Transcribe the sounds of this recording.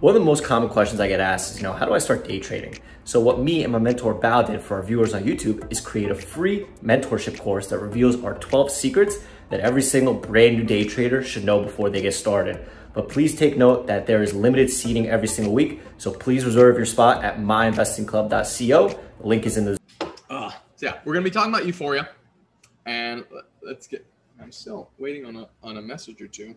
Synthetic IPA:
wʌ̃nʌvðəmoʊskʰɑmə̃nkʰw̥ɛst͡ʃn̩zaɪɡɛɾæssɨzjɨnoʊhaʊɾəaɪstɑɹt̚d̥eɪtʰɹ̥eɪɾɪ̰̃ŋ | soʊwʌt̚miɨ̰̃nmaɪmɛ̃ntʰɔɹbaʊdɨ̃dfə˞vjʉə˞zn̩jʉtʰʉbɨz̥kʰɹ̥ieɪɾɨfɹimɛ̃ntʰɔɹʃɨp̚kʰɔɹsðɨt̚ɹɨvilˠzə˞tʰw̥ɛlˠv̥sikɹɨts | ðɨɾɛvɹisɪ̃ŋɡl̩ˠbɹæ̃nːʉdeɪtʰɹ̥eɪɾə˞ʃɨdⁿnoʊbəfɔɹðeɪɡɛtstɑɹɾɨ̰d̚ | b̥ʌt̚pʰl̥iz̥tʰeɪk̚noʊt̪̚ðɨt̪̚ðə˞ɨzlɪ̃mɨɾɨd̥siɾɪ̃ŋɛvɹisɪ̃ŋɡl̩ˠwiksoʊpʰl̥izɹɨzɜ˞vjə˞spɑɾɨ̰t̚maɪɨ̃ɱvɛstɨ̃ŋkʰl̥ʌb̚dɑ̰tsioʊðəlɪ̃ŋkɨzɨ̃nðɨ | ʌ | jæ̰wɪɹɡʌnəbitʰɔkɪ̃ŋəbaʊt͡ʃɨfɔɹjɨ | ɨ̃n | lətsɡ̥ɛ | ãɪ̃mstɪlˠweɪɾɪ̃ŋə̃nəə̃nəmɛsɨd͡ʒə˞tʰʉ

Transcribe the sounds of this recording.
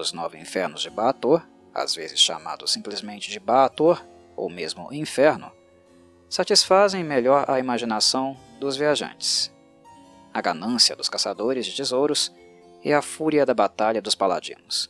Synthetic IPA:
ʊznɔvɪĩfɛɾnʊzd͡ʒɪbaːt̪oɾ | a̰zvezɪsʃa̰ma̰d̪ʊsːĩplɪzmẽnt͡ʃɪd͡ʒɪbaːt̪oɾ | o̰wmezmʊ̰ʔĩfɛɾnʊ̰ | sat͡ʃisfazẽj̃meʎɔɾɐ̰imaʒinasɐ̃w̃ | d̪ʊzviaʒɐ̰̃t͡ʃɪ̥s | ɐɡanɐ̃siɐd̪ʊskasad̪oɾɪzd͡ʒɪt͡ʃizowɾʊs | ɪɐfuɾiɐd̪ɐbat̪aʎɐd̪ʊspala̰d͡ʒḭ̃nʊs

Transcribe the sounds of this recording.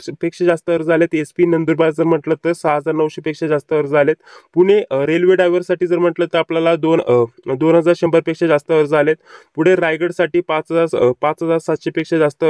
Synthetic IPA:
pekʂed͡zast̪əʋəɾd͡zalet̪espiːnənd̪uɾbajd͡zəɾm̤əʈlət̪ːəɾsaɦəd͡zaɾnəʋɕepekʂed͡zast̪əʋəɾd͡zalet̪puɽ̃eɾelʋeɖajʋəɾsaʈiːd͡zəɾm̤əʈlət̪ːəɾapljalad̪ond̪onɦəd͡zaɾɕembəɾpekʂed͡zast̪əʋəɾd͡zalet̪̚puɽ̤eɾajɡəɽsaʈiːpãt͡sɦəd͡zaɾpãt͡sɦəd͡zaɾsat̪ɕepekʂed͡zast̪ə

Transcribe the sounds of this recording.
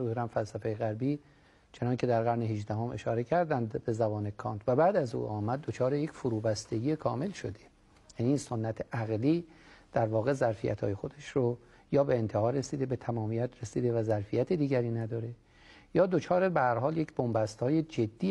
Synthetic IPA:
zuhɾæmfælsæfejeɣæɾbiː | t͡ʃʰe̞nɒːncʰe̞d̪æɾɣæɾneɦiʒd̪æɦomʔe̞̰ʃɒːɾe̞cʰæɾd̪ænd̪be̞zæbɒːnekʰɒːnt̪ʰvæbæːd̪æzṵːʔɒːmæd̪̚ːot͡ʃʰɒːɾejecfoɾuːbæst̪e̞ɡiːekʰɒːme̞lʃo̞̰d̪e | jæniːnso̞nːæt̪ʰeʔæɣliːd̪̥æɾvɒːɣe̞zæɾfḭjæ̰t̪ʰhɒ̰ːje̞xo̞d̪eʃɾo | jɒːbe̞ent̪ʰe̞hɒːɾːe̞siːd̪ebe̞t̪ʰæmɒːmijæt̪ʰɾesiːd̪e̞væzæɾfijæt̪ʰed̪iːɟæɾiːnæd̪ɒːɾe̞ | jɒːd̪ot͡ʃʰɒːɾebehæɾɦɒːljecbombæst̪hɒːje̞d͡ʒe̞d̪ːiː

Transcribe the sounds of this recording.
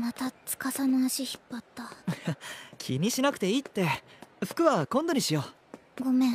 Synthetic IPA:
mat̪at͡sɨ̥kasanaːɕiçi̥pːat̪ːajakʲʰḭɲ̟iɕinak̟t̪e̞it̪ːe̞ɸɯ̟̥kɯ̟βakõ̞nd̪oɲ̟iɕijo | ɡo̞mẽ

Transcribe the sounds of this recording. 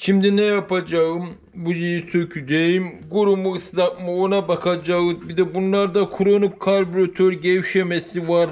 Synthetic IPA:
ʃimd̪inɛjapad͡ʒaɯm | bujijisʰøcʰyd̪ejimɡuɾumuɯslakmanabakʰad͡ʒaɯbid̪ɛbunlˠaɾd̪akʰuɾonup̚kʰalʲbuɾat̪ʰøɾɟejiʃemɛsivaɾ

